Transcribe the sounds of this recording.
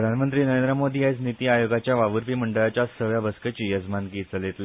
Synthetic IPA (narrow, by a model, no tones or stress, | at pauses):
ɾəd̪ʱanmənt̪ɾiːnəɾẽnd̪ɾəmod̪iːajt͡snit̪iːajoɡat͡ɕjaʋaʋəɾpiːməɳɖəɭat͡ɕjasəʋjabʱəskət͡ɕiːjəd͡zmanɡiːt͡səlet̪le